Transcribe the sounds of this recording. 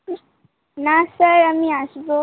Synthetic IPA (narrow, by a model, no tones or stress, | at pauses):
nasəɾamiasbo